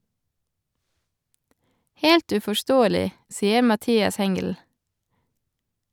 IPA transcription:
ˈheːlt ʉfɔˈʃtoːəlɪ ˈsiːə mɑˈtiːɑs ˈhɛŋɡəl

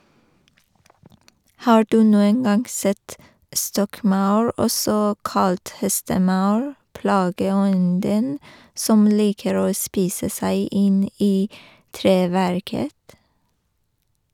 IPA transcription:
ˈhɑː ˈɖʉː ˈnuːən ˈɡɑŋ ˈsɛt ˈstɔkˌmɑʉɹ ˈɔsɔ ˈkɑlt ˈhɛstəˌmɑʉɹ ˈpɽɑːɡəˌɔndən ˈsɔm ˈliːkəɾ ˈoː ˈspiːsə ˈsæɪ ˈɪn ˈiː ˈtɾeːʋæɾkət

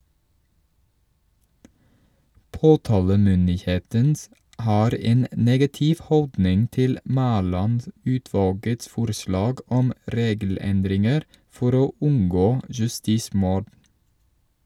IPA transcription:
ˈpoːtɑːləmʏndɪˌheːtən ˈʔhɑːɾ ˈeːn ə ˈneːɡɑtɪʋ ˈhɔldnɪŋ ˈtɪl ˈmæːlɑnˌdʉːtʋɑːlɡəts ˈfʊɾslɑːɡ ˈɔm ˈɾeːɡl̩ˌɛndɾɪŋəɾ ˈfɔɾ ˈoː ˈʉŋɡoː jʉˈstiːˌsmʊɖ

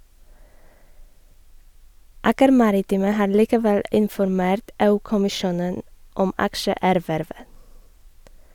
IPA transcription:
ˈɑːkəɾ ˈmɑɾɪˌtiːmə ˈhɑː ɭiːkəˈʋɛl ɪnfɔɾˈmeːɾt ˈeːˌʉː kʊmɪˈʃuːnən ˈɔm ˈɑkʃəˌæːɾʋæɾʋə

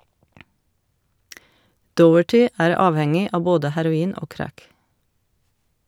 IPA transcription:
ˈdɔəʈɪ ˈæːɾ ˈɑːʋhɛŋɪ ˈɑːʋ ˈboːdə hæɾʊˈiːn ˈoː ˈkɾæk

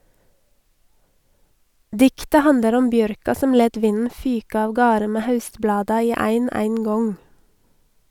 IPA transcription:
ˈdɪktə ˈhɑndəɾ ˈɔm ˈbjœɾkɑ ˈsɔm ˈleːt ˈʋɪnn̩ ˈfyːk ɑːʋˈɡɑːɾə ˈmeː ˈhɑʉstˌblɑːdɑ ˈiː ˈæɪn ˈæɪŋˌɡɔŋ

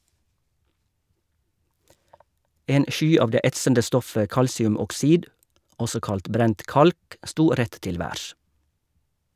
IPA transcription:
ˈeːn ˈʔʃyː ˈɑːʋ ˈdeː ˈɛtsəndə ˈstɔfə ˈkɑlsɪʉmɔkˌsiːd ˈɔsɔ ˈkɑlt ˈbɾɛnt ˈʔkɑlk ˈʔstuː ˈɾɛt ˈtɪl ˈʋæːɾʃ

